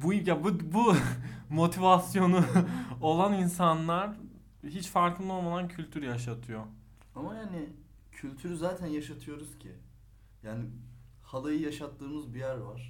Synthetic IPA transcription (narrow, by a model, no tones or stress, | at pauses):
bujabubumo̞t̪ʰivasjo̞nuolˠaninsanlˠaɾ | ɦit͡ʃfaɾklˠɯd̪o̞lˠmad̪ancʰylʲt̪ʰyɾjaʃ̬at̪ʰɯjo | amajaːnɪ | cʰylʲt̪ʰyɾyzaːt̪ʰænjaʃat̪ʰɯjo̞ɾuz̥cʰi | jaːnɪ | halˠajɯjaʃat̪ʰːɯːmɯzbijæɾvaɾ̥